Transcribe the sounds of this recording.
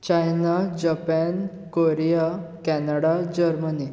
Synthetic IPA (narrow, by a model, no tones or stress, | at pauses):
t͡ɕajnad͡ʑapɛn | koɾijakɛnaɽad͡ʑəɾməni